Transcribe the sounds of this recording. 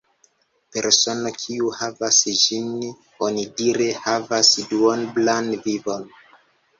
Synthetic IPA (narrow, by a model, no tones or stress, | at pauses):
pe̞ɾso̞no̞kʰiuhavasd͡ʒin | o̞nidiɾehavasduonblanvivo̞n